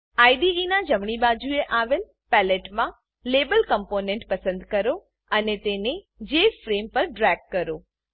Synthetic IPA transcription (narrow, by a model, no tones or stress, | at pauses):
aːɪd̪iinãd͡ʑɐmɽ̃iɓaːd͡ʑʱueʔaːʋel | pɛːleːʈmã | leːbəlkə̃mpoːnẽɳʈpɐsə̃nd̪kɐɾo | ɐnet̪eːnẽ | d͡ʑeːfɾeːmpɐɾɖɾɛːɡ̚kɐɾoː